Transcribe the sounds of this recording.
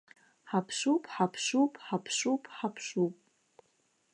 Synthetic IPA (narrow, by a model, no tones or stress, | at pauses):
ħapʰʂupʼħapʰʃupʼħapʰʂupʼħapʰʂupʼ